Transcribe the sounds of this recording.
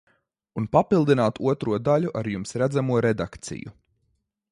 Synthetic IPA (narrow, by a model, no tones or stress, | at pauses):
unpapilˠd̪inaːt̪uɔt̪ɾuɔd̪aʎuʔaɾjumsɾæd̪zamuɔɾɛd̪akt̪sḭjṵ